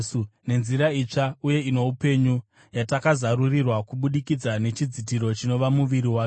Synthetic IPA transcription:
une̞nziɾait͡ʂauje̞ino̞upe̞ɲu | jatakazaɾurirwakuɓuɗikid͡zane̞t͡ʃid͡zit̬iɾo̞t͡ʃino̞ʋamuʋiɾiwaːk

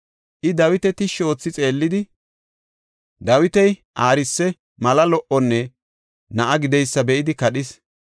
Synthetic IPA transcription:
ʔɪd̪ɐwɪt̪ɛt̪ɪʃo̞ːt͡sːɪt͡sʼe̞ːlːɪd̪ɪ | d̪ɐwɪt̪ɛjʔaːɾɪsːɛ | mɐlɐlɔʔɔnːɛ | nɐʔɐɡɪd̪ɛjsːɐbɛʔɪd̪ɪkɐɗɪs

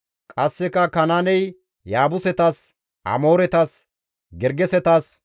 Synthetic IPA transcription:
kʼɐsːɛkɐkɐnaːnɛj | jaːbʊsɛt̪as | ʔɐ̰mo̞ːɾɛt̪as | ɡɛɾɡɛsɛt̪aːs

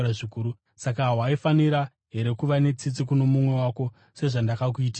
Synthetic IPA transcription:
ʐikuːɾu | sak̬aɦɦwaifaniɾa | ɦe̞ɾe̞kuʋane̞t͡sit͡sik̬uno̞mumwe̞wako̞ | se̞ʐandakak̬uiti

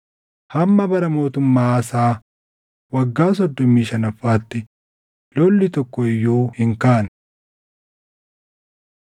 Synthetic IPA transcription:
hɐmːɐbɐɾɐmo̞ːt̪ʊmːaːɐsaː | wɐɡːaːs̬ɔd̪ːɔmːiːʃɐnɐfːaːt̪ːɪ | lɔlːɪt̪ɔkːɔɪjːoːhɪŋkaːn

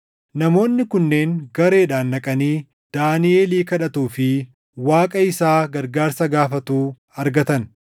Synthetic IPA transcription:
nɐmo̞ːnːɪkʊnːe̞ːŋɡɐɾe̞ːᶑaːnːɐkʼɐniː | d̪̥aːnɪeːliːkɐᶑɐt̪uːfɪ | waːkʼɐɪsaːɡɐɾɡaːɾsɐɡaːfɐt̪uː | ɐɾɡɐt̪ɐn

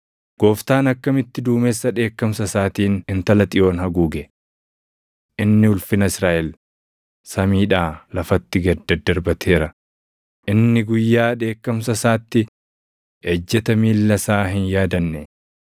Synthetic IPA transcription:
ɡ̥o̞ːft̪aːnɐkːɐmɪt̪ːɪd̪uːmeːsːɐᶑe̞ːkːɐmsɐsaːt̪iːnɪnt̪ɐlɐt̪ʼɪjo̞ːnhɐɡuːɡɛ | ʔɪnːɪʊlfɪnɐɪsɾaːʔɛl | sɐmiːᶑaːlɐfɐt̪ːɪɡɐd̪ɐd̪ːɐɾbɐt̪ʰe̞ːɾɐ | ʔɪnːɪɡʊjːaːᶑe̞ːkːɐmsɐsaːt̪ːɪ | ɛd͡ʒːɛt̪ɐmiːlːɐsaːɦɪnjaːd̪ɐnːɛ

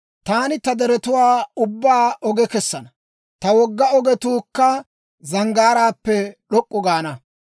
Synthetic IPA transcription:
t̪aːnɪt̪ɐd̪ɛɾɛt̪ʊwaːʊbːaːʔɔɡɛkɛsːɐnɐ | t̪ɐwɔɡːɐɔɡɛt̪uːkːɐ | zɐŋɡaːɾaːpːɛɗɔkʼːɔɡaːnɐ

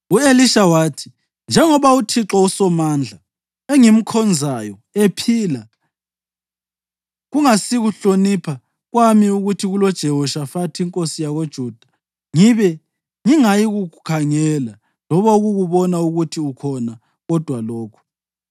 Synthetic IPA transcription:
ueliʃawaːtʰi̥ | nd͡ʒʱɛŋɔβautʰiǁɔusɔmaːnd͡ɮʱa | eŋim̩kʰɔnd͡zʱajɔ | epʰiːla | ɣuŋasiɣuɬonipʰa | ɣwamiuɣutʰiɣulɔd̥ʒ̥ʱɛwɔʃafatʰiŋkʼosijaɣod̥ʒ̥ʱuːd̥ʱḁ | ŋiβɛ | ŋiŋajiɣukʰaŋɛla | lɔβauɣuɣuβɔnauɣutʰiukʰɔna | ɣɔd̥ʱwalɔːkʰu̥

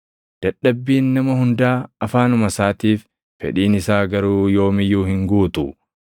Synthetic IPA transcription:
d̪̥ɐᶑːɐbːiːnːɐmɐhʊnd̪aːɐfaːnʊmɐsaːt̪iːfː | ɛ̰ᶑiːnɪsaːɡɐɾuːjo̞ːmɪjuːhɪŋɡuːt̪ʊ

